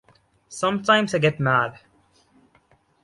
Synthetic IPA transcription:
sʌ̃mtʰãɪ̃mzaɪɡɛt̚mæd̥

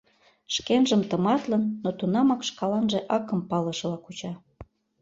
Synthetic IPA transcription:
ʃkenʒəmt̪əmɑt̪lə̆nːot̪unɑmɑkʃkɑlɑnʒĕʔɑkə̆mpɑlə̆ʃlɑkut͡ɕɑ

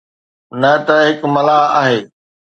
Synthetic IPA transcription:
nɐt̪ɐɦɪkmɐlaːɦa̰ːɦeː

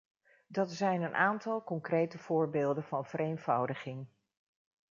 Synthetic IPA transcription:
dɑtsɛjnənʔaːntɑlˠkɔŋkrejtəv̥ʊːɹbeːlˠdənvɑnv̥əɾejnv̥ʌwdəχɪŋ

